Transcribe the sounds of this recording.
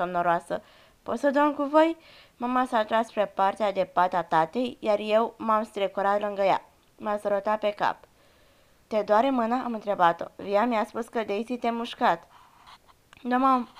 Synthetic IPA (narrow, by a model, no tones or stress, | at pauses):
somnoɾoasə̰ | po̞t̪səd̪oŋkuvo̞j | mamasat̪ɾaspɾe̞part̪ead̪e̞pat̪at̪at̪e̞jjarje̞wmamst̪ɾekoɾat̪lɨŋɡəja̰ | masəɾot̪at̪̚pe̞ka̰p | t̪ed̪oaɾɨnmɨnaʔamɨnt̪ɾe̞bat̪o̞̰viamijaspuskəd̪eit̪sit̪e̞muʃkat̪ | d̪omam